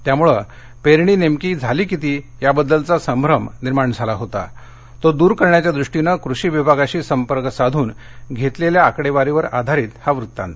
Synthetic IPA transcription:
t̪jamuɭə | peɾɳiːnemkiːd͡zʱaliːkit̪iː | jabəd̪ːəlt͡sasəmbʱɾəmniɾmaɳd͡zʱalaɦot̪a̰ | t̪od̪uːɾkəɾɳjat͡ɕjad̪ɾuʂʈinəkɾuɕiːʋibʱaɡaɕiːsəmpəɾksad̪ʱuːn | ɡʱet̪leljaːkɽeʋaɾiʋəɾad̪ʱaɾiːt̪haʋɾut̪ːã̰nt̪

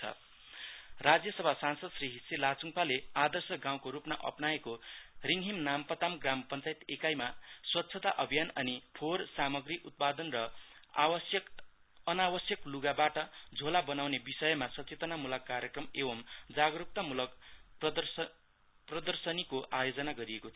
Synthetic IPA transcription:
t͡sʰʌ̰ | rad͡zjʌsʌbʱasansʌd̪sriɦisilat͡suŋpalead̪ʌrsʌɡaw̃koɾupnaʔʌ̰pnaekoriŋɦimnampʌt̪amɡrampʌnt͡sajt̪ekajmaswʌt̪ːsʰʌt̪aʔʌbʱijanʌ̰nipʰorsamʌɡriʔut̪̚pad̪ʌnrʌwʌsjʌ | ʌnawʌsjʌkluɡabaʈʌd͡zʱolabʌnawnebisʌjʌmasʌt͡set̪ʌnamulʌkːaɾjʌkrʌmebʌmd͡zaɡʌɾuk̚t̪ʌmulʌk̪ | prʌd̪ʌrsʌnikoʔajod͡zʌnaɡʌɾiekot̪ʰ

